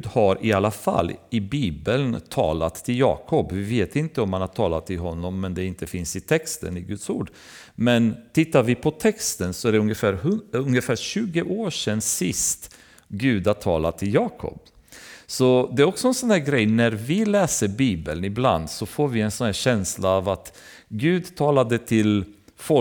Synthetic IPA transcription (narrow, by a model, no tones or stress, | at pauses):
d̪haɾɪalːafa̰lːɪbiːbəlnt̪ʰɑ̰ːlat̪ʰːɪljɑ̰ːkʰɔpvɪveːt̪ɪnt̪əɔmhanhaɾʈʰɑːla̰t̪ʰːɪlɦɔnːɔmːɛnd̪ɛɪnt̪əfɪnsɪt̪ʰɛkst̪ə̰nɪɡɵt̪sṵːɖ | mɛnt̪ʰɪt̪ːaɾvɪpʰɔt̪ʰɛkst̪ənsɔæɖɛɵŋjəfæːɾhɵɵŋjəfæːɾɕʉ̟ːɡəʔoːʂɛnːsɪst̪ | ɡʉ̟ːd̪hat̪ʰɑːlat̪ʰːɪljɑːkʰɔ̰p | sɔd̪ɛæɾɔksɔɛnsɔnhæːɾɡɾɛjnæɾvɪlɛːsəɾbiːbə̰lnɪbla̰nd̪sɔfoːɾvɪɛnsɔnhæːɾɕɛnslaavat̪ | ɡʉ̟ːd̪t̪ʰɑːlad̪ət̪ʰɪlfɔ